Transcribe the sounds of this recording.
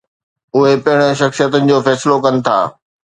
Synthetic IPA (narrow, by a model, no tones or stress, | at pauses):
ʊɦepɐɪɽ̃ə̆ʃɐxsijət̪ənɪ̆d͡ʑoːfɛːsɪlokɐnɪ̆t̪ʰa̰ː